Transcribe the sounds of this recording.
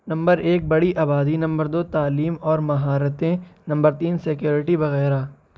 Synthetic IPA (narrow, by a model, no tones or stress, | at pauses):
nɐ̃mbəɾeːk̚bɐɽiʔaːbaːd̪inɐ̃mbəɾd̪oːt̪aːliːmɔːɾmɐɦaːɾət̪ẽnɐ̃mbəɾt̪iːnsɪkjoːɾɪʈibɐɣɛːɾaː